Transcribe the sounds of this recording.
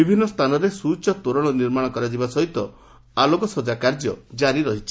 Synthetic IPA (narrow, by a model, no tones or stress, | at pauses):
ibʱinːɔst̪ʰanɔɾesut͡ʃɔt̪oɾɔɭ̃ɔniɾmaɽ̃ɔkɔɾad͡ʒibasɔɦit̪ɔ | alokɔsod͡ʒakaɾd͡ʒjɔd͡ʒaɾiɾɔɦit͡ʃʰi̥